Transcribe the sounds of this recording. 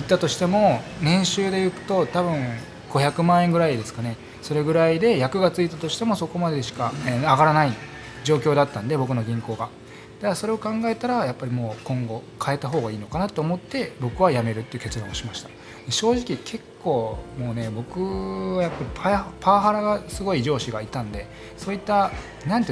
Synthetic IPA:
it̪ːat̪o̞ɕi̥t̪e̞mo̞nẽ̞ɰ̃ɕɨːd̪e̞jɯ̟kɯ̟̥t̪o̞t̪aβɯ̟̃ŋ | ɡ̥o̞çakɯ̟mãːẽŋɡɯ̟ɾaid̪e̞sɨ̥kane̞ | so̞ɾe̞ɡɯ̟ɾaid̪e̞jakɯ̟ɡat͡sɨit̪at̪o̞ɕi̥t̪e̞mo̞so̞ko̞mad̪eɕi̥kaaɡaɾanai | d͡ʑo̞ːkʲo̞ːd̪at̪ːãnd̪e̞bo̞k̬ɯ̟no̞ɡʲĩŋko̞ːɡa | d̪̥aso̞ɾe̞o̞kãŋɡae̞t̪aɾajapːaɾʲimo̞ːkõ̞ŋɡo̞kʰae̞t̪aɦo̞ːɡaiːno̞kanat̪ːoːmo̞t̪ːe̞bo̞kɯ̟βajame̞ɾɯ̟t̪ːeiɯ̟ke̞t͡sɨɾã̰oɕimaɕi̥t̪ḁ | d̪̥e̞ɕo̞ːʑikʲikʰe̞kʰːo̞ːmo̞ːne̞bo̞kɯ̟βajapːaɾʲipʰapʰaːɦaɾaɡasɨɡo̞id͡ʑo̞ːɕiɡait̪ãnd̪e̞ | so̞ːit̪ːa | nãnt̪e

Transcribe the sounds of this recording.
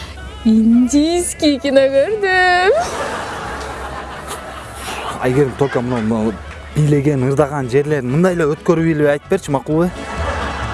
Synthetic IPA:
ind̪ʲijskʲikʲinokøɾd̪y | eɡʲe̞ɾɪmt̪ʰolʲkomunɑm | bijle̞ɡʲe̞nɯɾd̪ɑʁɑnd͡ʒe̞ɾle̞ɾɪnmɯnd̪ɑjleøt̪køɾyilɑjt̪ɯ̥pe̞ɾt͡ʃʰimɑqulˠə

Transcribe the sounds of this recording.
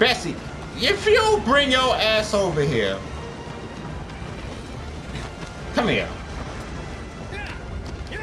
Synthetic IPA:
b̥ɛsi | ɪfjulˠbɹɪ̃ŋjə˞æsoʊvəɦiɹ | kʰʌ̃miə̰

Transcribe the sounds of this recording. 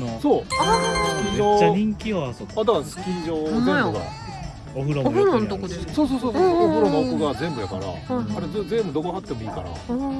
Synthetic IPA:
so̞ːakʲiɲd͡ʑoːaɾʲĩŋkʲioasoad̪akḁkʲĩɲd͡ʑo̞ːzẽbɯɡa̰ | oɸɯɾoɦɾonot̪okod̪essoːs̬o̞ːsoːoooboɾomokɯɡazẽ̞mbɯ̟jaka̰ɾa̰haɾezzẽ̞mbɯd̪o̞moɦat̪ːe̞mo̞iːka̰ɾa̰

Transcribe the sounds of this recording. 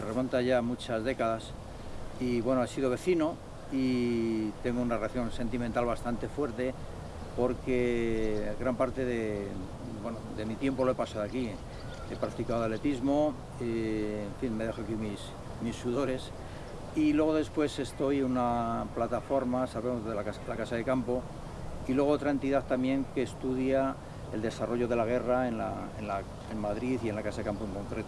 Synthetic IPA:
eremont̪aʝamut͡ʃazðe̞kaðas | iβwe̞noesið̞o̞β̞e̞θino | i | t̪e̞ŋɡounareaθjõ̞nse̞nt̪imẽnt̪alβast̪ant̪e̞fwe̞ɾt̪e̞ | po̞ɾke | ɣɾampaɾt̪e̞ðe | bwe̞noðe̞mit̪je̞mpo̞loepasaðoaki | e̞pɾakt̪ikaðoale̞t̪izmo̞ | eeɱfinme̞ðe̞xoakimis | misːuðo̞ɾe̞s | ilwe̞ɣ̞o̞ðe̞spwe̞se̞st̪o̞junaplat̪afo̞ɾmasaβemozðelakaselakasaðe̞kampo̞ | ilweɣot̪ɾae̞nt̪iðaθt̪amje̞ŋke̞ːst̪uðja | eld̪e̞saro̞ʝo̞ðe̞laɣ̞e̞raenlaḛnla | emmaðɾiθie̞nlakasaðekampoeŋko̞ŋkɾe̞t̪

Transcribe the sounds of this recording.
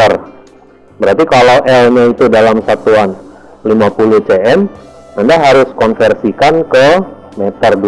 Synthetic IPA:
ər | bəɾart̪ikalawʔɛlɲait̪udalamsat̪uan | limapulʊht͡ʃeɛməndaɦaɾʊskɔnfɛrsikankə | mɛt̪ərd

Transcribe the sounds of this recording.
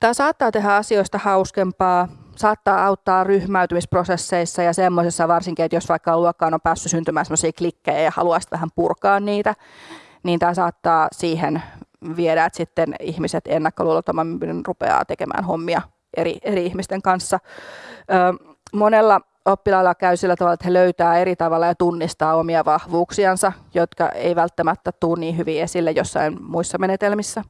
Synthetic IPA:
t̪æːsɑːt̪ːɑːt̪eɦæɑsioist̪ɑhɑuskempɑːsɑːt̪ːɑːɑwt̪ːɑːrryhmæyt̪ymisprosesːeisːɑjɑsemːosesːɑʋɑrsiŋkiet̪josʋɑikːɑluokːɑːnompæːsːysynt̪ymæːnsemːˑosiːklikːejɑjɑhɑ̰luɑisi̥t̪ʋæhæmpurkɑːnniːt̪æ | niːnt̪æːsɑːt̪ːɑːsiːhenʋieɾæet̪sit̪ːenihmiset̪enːækːoluːlːɑt̪omːɑmymnenrupḛɑ̰ːt̪ekemʔæ̰ːnhomːiɑ | eɾḭeɾiihmist̪eŋkɑnsːɑ | øː | monelːɑ | opːilɑilːɑkæysilːæt̪ɑʋɑlːɑet̪heløyt̪æːeɾit̪ɑʋɑlːɑjɑt̪unːist̪ɑːomiɑʋɑhʋuːksiɑnsɑjot̪kɑ̰ʔḛiʋælt̪ːæmæt̪ːæt̪uːnniːhyʋiːesilːejosːɑ̰inmuisːɑmenet̪elmisːæ

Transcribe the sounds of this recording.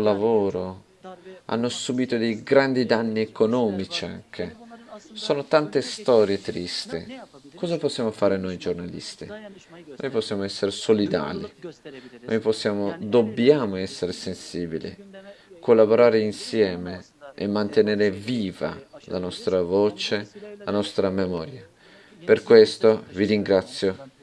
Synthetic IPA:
lavoːɾo | a̰nːosubiːt̪od̪ejɡɾand̪id̪anːiekonɔːmit͡ʃia̰ŋk̟e | soːnot̪ant̪est̪ɔːɾjet̪ɾist̪ḭkɔːzaposːjaːmofaːɾenojd͡ʒornalḭst̪ḭno̰jposːjaːmoɛsːeɾesolid̪a̰ːlḭ | no̰jposːjaːmod̪objaːmoɛsːeɾesensiːbilḭkolːaboɾaːɾeinsjɛːme | ḛmːant̪eneːɾeviːva̰la̰nɔst̪ɾavoːt͡ʃelanɔst̪ɾamemɔːɾja | perkwest̪oviɾiŋɡɾat̪sːjo

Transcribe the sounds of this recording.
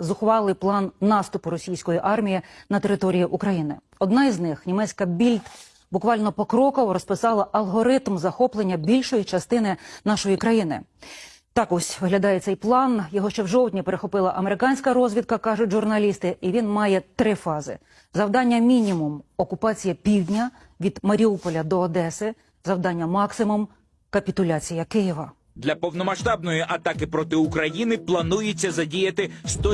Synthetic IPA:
zʊxʋɑlˠɪjplˠɑnːɑst̪ʊpʊɾɔsʲijsʲkɔjiʔɑrmʲijinɐt̪eɾɪt̪ɔɾʲijiʔukɾɐjinɪ̰ | ɔd̪nɑiznɪxnʲimɛt͡sʲkɐbʲilʲt̪ | bʊkʋɑlʲnɔpɔkɾɔkɔʋɔɾɔspɪsɑlˠɐʔɐlˠɦɔɾɪt̪mzɐxɔplˠenʲːɐbʲilʲʃɔjit͡ʃɐst̪ɪnɪnɑʃɔjikɾɐjinɪ̰ | t̪ɑkɔsʲʋɪɦlʲɐd̪ɑjɛt̪sɛjplˠɑnjɔɦɔʃt͡ʃɛwʒɔwt̪ʲnʲipeɾexɔpɪlˠɐʔɐmeɾɪkɑnʲsʲkɐɾɔzʲʋʲid̪̚kɐkɑʒʊtʲʒʊrnɐlʲist̪ɪʔiʋʲinmɑjɛt̪ɾɪfɑzɪ̰ | zɐwd̪ɑnʲːɐmʲinʲimʊmɔkʊpɑt͡sʲijɐpʲiwdʲnʲɐ | ʋʲid̪mɐɾʲiupɔlʲɐd̪ɔːd̪ɛsɪ | zɐwd̪ɑnʲːɐmɑksɪmʊm | kɐpʲit̪ʊlʲat͡sʲijɐkɪjiʋɐ | d̪lʲɐpɔwnɔmɐʃt̪ɑbnɔjiʔɐt̪ɑkɪpɾɔt̪ɪʊkɾɐjinɪplˠɐnujet͡sʲːɐzɐdʲijɐt̪ɪʃt̪ɔ

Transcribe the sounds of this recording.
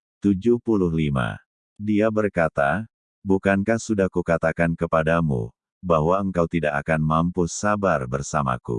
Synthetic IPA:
t̪ud͡ʒuhpulʊhlima̰ | diabərkat̪a | bukankahsudahkukat̪akankəpadamṵ | baɦwaəŋkawt̪idakakanmampusabarbərsama̰kṵ

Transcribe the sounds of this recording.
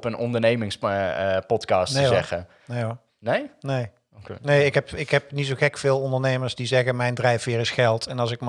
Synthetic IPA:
pənɔ̰ndəɹnejmɪŋspɔtkɑːstneɛχə | ne | nejnej | knejɪkɦɛpɪkɦɛpnits̬oχɛkfɪːlˠɔndəɹnejməɹsdizɛɣəmɛjndrɛjfʋɪːɹɪsχɛlˠtɛnɑlˠs̬ɪk̚m

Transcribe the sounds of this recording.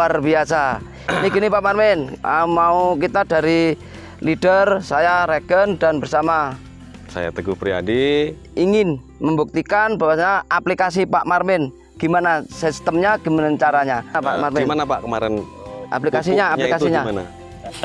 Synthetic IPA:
arbiasa | iniɡənipaʔmarmɪnəmauk̬it̪adaɾi | lid̥ərsajaɾɛɡəndanbərsama | sa̰ja̰t̪əɡuhpɾia̰di | iŋɪn | məmbuk̚t̪ikanbawasɲaaplikas̬ipaʔmarmɪn | ɡ̥imanasist̪əmɲaɡ̥ə̤manaɲt͡ʃaɾaɲapa̰ʔmarmɪnmanapaʔkəma̰ɾɛn | ʔa̰plikasiɲaːplikasiɲaana̰

